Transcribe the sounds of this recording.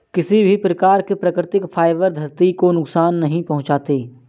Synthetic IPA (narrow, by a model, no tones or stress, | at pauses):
kɪsibʱipɾɐkaːɾkepɾɐkɾɪt̪ɪkfʰaːɪbəɾd̪ʱɐɾt̪ikonʊksaːnːɐɦĩpɐɦʊ̃t͡ʃaːt̪eː